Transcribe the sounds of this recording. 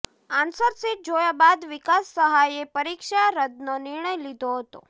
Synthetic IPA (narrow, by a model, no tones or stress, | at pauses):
ansəɾsiʈ̚d͡ʒojabad̪ʋikasːəɦajepəɾikʃaɾəd̪nonɪɾɳəjlid̪ʱoɦət̪o̰